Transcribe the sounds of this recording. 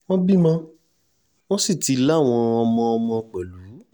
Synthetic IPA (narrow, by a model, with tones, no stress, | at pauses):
wɔ̃˦bi˦˨mã˦ | wɔ̃˦si˦˨ti˨˦la˦˨w̃ɔ̃˧ɔ˧mɔ̃˧ɔ˧mɔ̃˧k͡pɛ˨lu˨˦